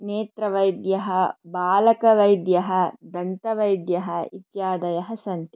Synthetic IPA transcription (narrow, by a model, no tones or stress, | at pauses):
neːt̪ɾɐʋɐjd̪jɐɦɐbaːlɐkɐʋɐjd̪jɐɦɐd̪ɐnt̪ɐʋɐjd̪jɐɦɐit̪jaːd̪ɐjɐɦɐsɐnt̪i